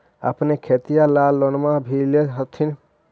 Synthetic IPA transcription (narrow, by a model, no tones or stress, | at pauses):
ə̰pnekʰet̪ijalaːlːɔnmãbʱileɦət̪ʰːin